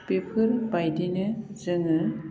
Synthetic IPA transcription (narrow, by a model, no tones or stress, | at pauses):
pepʰɯɾbajdinɯzɯŋɯ